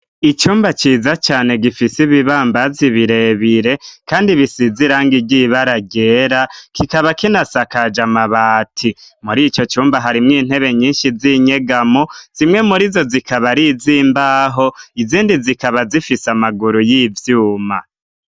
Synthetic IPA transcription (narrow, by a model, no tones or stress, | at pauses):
it͡ʃuːmbat͡ʃiːzat͡ʃaːne̞ɡifisiβiβaːmbaziβiɾe̞βiɾe̞kaːndiβisiziɾaːŋɡiɟiβaɾaɟe̞ːɾakikaβakinasakad͡ʒamaβaːtʰimuɾit͡ʃo̞t͡ʃuːmbaɦaɾimŋiːn̥he̞βe̞ɲiːnʃiziɲe̞ɡamoz̥imŋe̞muɾizo̞zikaβaɾiziːmbaɦo̞iziːndizikaβazifisamaɡuɾujivjuːma̰